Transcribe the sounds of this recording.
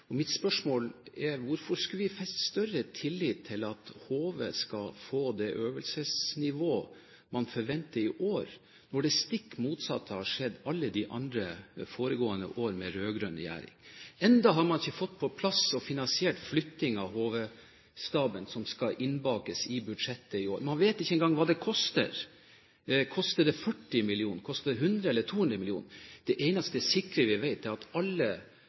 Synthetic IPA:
ɔmɪt̪spœʂmoːlæɾʋʊɾfɔskɑʋɪfɛst̪st̪œrət̪ʰɪlːiːt̪ʰːɪlɑt̪hoːʋə̰skɑfoːd̪ɛʔøːʋəlsəsnɪʋoː | mɑnfɔɾʋɛnt̪əɾɪʔoːɾ | nɔɖɛst̪ɪkːmuːt̪sɑ̰t̪ʰːəhɑʂɛd̪ːɑlːəd̪ɪʔɑ̰nd̪ɾəfoːɾəɡoːənə̰ʔoːɾmɛɾøːɡɾœnjæ̰ːɾɪ̰ŋɛnd̪ɑɦɑɾmɑnɪçːəfɔt̪ːpʰɔpʰlɑsɔfɪnɑnsɪɛlʈflʏt̪ːɪŋɑʋɦoːʋə | st̪ɑːbənsɔmskɑʔɪnbɑːkəsɪbʉd̪ʂɛt̪ːəɪo̰ːɾmɑnʋeːt̪ɪçːəɛnɡɑŋːʋɑːd̪ɛkʰɔst̪ə̰ɾ | kʰɔst̪əd̪ɛfœʈːɪmɪlɪuːnəɾkʰɔst̪əd̪ɛɦʉnd̪ɾəɛlːət̪ʰuːʉnɾəmɪlɪuːnəɾd̪̥ɛʔeɪnɑst̪əɛsɪkːɾəʋɪʋæɪt̪d̪ɛɾɑt̪ɑlːə

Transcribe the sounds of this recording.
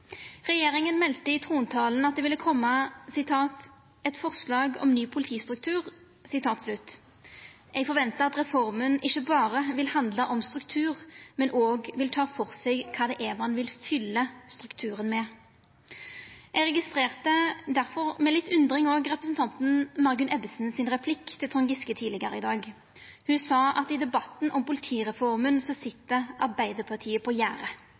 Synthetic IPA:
ʁɛjeːʁɪŋənmɛlt̪əɪt̪ʰʁuːnt̪ʰɑːlnɑt̪̚d̪ɛːʋɪlːəkʰɔmːəsɪt̪ʰɑːt̪ | ɛt̪fɔʁslɑːɡɔ̰mnyːpʰʊlɪt̪ʰiːst̪ʁʉk̚t̪ʰʉːʁ | sɪt̪ʰɑːt̪slʉt̪ | ʔɛɡfɔʁʋɛnt̪əɑt̪ʁɛfɔʁmənɪçːəbɑːʁəʋɪlhɑnd̪ləʔɔmst̪ʁʉkt̪ʰʉːʁmɛnʔoːɡʋɪlt̪ʰɑːfɔʁsɛɡkʰːɑːd̪ɛʔeːʋɑnʋɪlfʏlːəst̪ʁʉkt̪ʰʉːʁənmɛ | ɛɡʁɛɡɪst̪ʁeːʁt̪əd̪æʁfɔʁmɛlɪt̪ʰːʉnd̪ʁɪŋoːɡʁɛpɾəsnt̪ʰɑnt̪n̩mɑʁɡʉnʔɛbəsn̩sɪnʁɛpʰlɪkːt̪ʰɪlt̪ʰʁʊŋɡɪskət̪ʰiːlɪɡəʁəɪd̪ɑːɡ | hʉnsɑːɑt̪ɪd̪ɛbɑt̪nʔɔmpʊlɪt̪ʰiːʁɛfɔʁmənsɔsɪt̪ːəʔɑʁbæɪd̪əpʰɑʁt̪ʰiːəpʰɔjæːʁə

